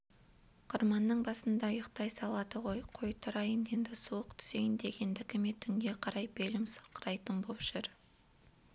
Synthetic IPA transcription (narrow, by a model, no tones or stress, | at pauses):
qʰʊɾmɑnːəɴbɑsənd̪ɑjəqt̪ɑjsɑlˠɑd̪əʁo̞jqʰojt̪ʰʊɾɑjəne̞nd̪ɪsuwəqt̪ʰʏ̥z̥e̞jɪnd̪e̞ɡʲe̞nd̪ɪkʲɪme̞t̪ʰʏŋɡʲe̞qʰɑɾɑjbelɪmsə̥ɾqəɾɑjt̪ənbopʒ̥ʏɾ